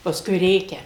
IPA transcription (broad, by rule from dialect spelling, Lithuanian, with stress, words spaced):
pɐsˈkʊɪ ˈrʲeːkʲɛ